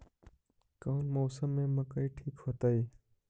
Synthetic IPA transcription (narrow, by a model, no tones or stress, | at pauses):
kɐʊnmoːsəmːẽməkəiʈʰiːkhoːt̪əi